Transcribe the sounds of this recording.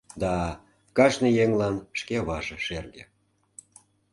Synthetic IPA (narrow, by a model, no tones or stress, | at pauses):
d̪ɑ | kɑʃnɤjeŋlɑnʃkeβɑʒĕʃerɣĕ